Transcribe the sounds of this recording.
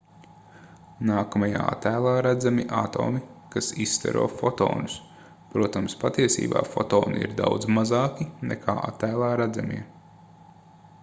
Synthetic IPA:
naːkɐmaja̰ːa̰t̪æːlˠaːɾæd̪zamiʔat̪ɔ̰ːmikasist̪ɛ̰ɾo̰ːfɔt̪ɔ̰ːnʊs | pɾuɔt̪amspat̪iɛsḭːba̰ːfɔt̪oːnḭḭɾd̪awd̪zmazɑːkinɛ̰kʰaːʔa̰t̪ːæːlˠaːɾæd̪zamʲiɛ

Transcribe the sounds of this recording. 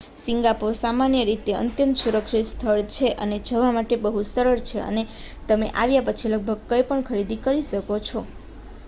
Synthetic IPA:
siŋɡapuɾsamanjəɾit̪eə̰nt̪jə̃nt̪suɾəkʃist̪ʰəɭt͡ʃʰeʔəned͡ʒʱəʋamaʈebəɦusəɾəɭt͡ʃʰeə̰ne | t̪əmeʔaʋjapət͡ʃʰiləɡ̚bʱəɡ̚kəjpəɳkʰəɾid̪ikəɾiʃəkot͡ʃʰo

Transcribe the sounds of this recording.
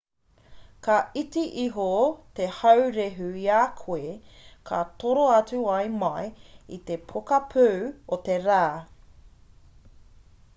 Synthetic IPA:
kɐitiʔiɦot̪ehɐwɾeɦʉiakʰoekʰɐt̪oɾoɐt͡suɐjmɐjit̪epʰokɐpʰʉːot̪eɾaː

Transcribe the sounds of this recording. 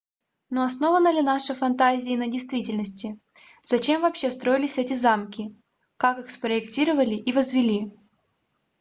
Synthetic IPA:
noɐsno̞vənːəlʲɪnaʂəfɐnt̪azʲɪːnədʲɪjst̪vʲitʲɪlʲnəsʲtʲɪ | z̥ɐt͡ɕe̞mvɐːpɕːe̞st̪ɾo̞ɪlʲɪsʲɛtʲɪzamkʲɪ | kakɨxspɾəɪktʲiɾəvəlʲɪʔivəzvʲɪlʲi

